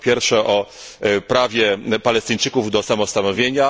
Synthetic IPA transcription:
pʲjɛɾfʂɛʔɔpɾavʲjɛpalɛst̪ɘɲt͡ʂɘkuvd̪ɔsamɔst̪anɔvʲjeɲa

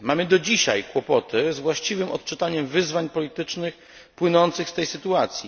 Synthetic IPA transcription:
mamɘd̪ɔd͡ʑiɕa̰jkwɔpɔt̪ɘzvwaɕt͡ɕivɘmɔ̰t̪̚t͡ʂɘt̪aɲɛmvɘzvaɲpɔlʲit̪ɘt͡ʂnɘx | pwɘnɔnt̪sɘxst̪ɛjsɘt̪uat̪sʲji

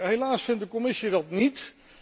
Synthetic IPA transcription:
ɦejlaːsfɪntdəkɔmɪsidɑtnit

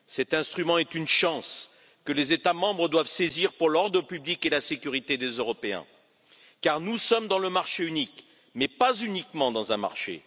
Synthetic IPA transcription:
sɛt̪ɛ̃st̪χymɑ̃ɛt̪ynʃɑ̃s | kəlezet̪amɑ̃bʁəd̪wavseziʁpuʁlɔʁd̪ʁəpyblikelasekʲyʁit̪ed̪ezøʁɔpeɛ̰̃ | kaʁnusɔmd̪ɑ̃ləmaʁʃeynik | mɛpazynikmɑ̃d̪ɑ̃zɛ̃ma̰ʁʃḛ

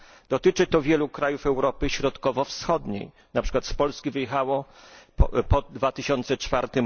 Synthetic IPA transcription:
d̪ɔt̪ɘt͡ʂɘt̪ɔvʲjɛlukɾajufɛwɾɔpɘɕɾɔt̪kɔvɔfsxɔd̪ɲḛj | napʂɘ̥kwat̪spɔlskʲivɘjɛxawɔ | pɔd̪vat̪ɘɕɔnt̪sɛt͡ʂfaɾt̪ɘm

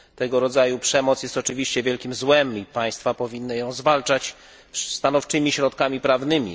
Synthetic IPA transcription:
t̪ɛɡɔɾɔd̪zajupʂɛmɔt̪sjɛst̪ɔt͡ʂɘvʲiɕt͡ɕɛvʲjɛlkʲimzwɛmipaj̃st̪fapɔvʲinːɘjɔ̃w̃zvalt͡ʂat͡ɕ | st̪anɔft͡ʂɘmʲiɕɾɔt̪kamʲipɾavnɘmʲḭ

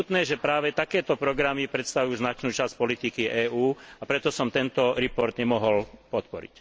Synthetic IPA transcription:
ut̪nɛːʒɛpɾaːʋɛt̪akɛːt̪ɔpɾɔɡɾamipɾɛt̪st̪aʋujuːznat͡ʃnuːt͡ʃasc̚pɔlit̪ikiʔɛːʔuːapɾɛt̪ɔsɔmt̪ɛnt̪ɔɾɛpɔɾd̪ɲɛmɔɦɔlpɔt̪pɔɾḭc

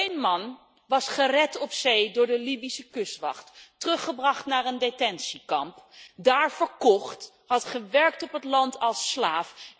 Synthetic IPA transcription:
ejnmɑn | ʋɑsχərɛtɔpsejdʊːɹdəlibisəkɵstʋɑ̰χtːərɵχəbrɑχtnaːɹəndetɛnsikɑmpdaːɹvəɹkɔχt | hɑtχəʋɛɹk̚tɔpɦətlɑntɑlˠslaːf

